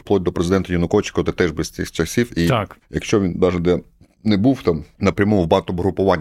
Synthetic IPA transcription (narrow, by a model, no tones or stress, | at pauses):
plˠɔt̪̚ʲd̪ɔpɾezɪd̪ɛnt̪ɐjɐnʊkɔʋt͡ʃɪ̥kɔt̪ɛt̪ɛʒbɛsʲɪxt͡ʃɐsʲiwikjɐkʃt͡ʃɔʋʲinbɑʒɐd̪ɛ | nɛbuwt̪ɑmnɐpɾʲɐmɔmʊwbɑt̪ʊbɦɾʊpʊʋɑnʲ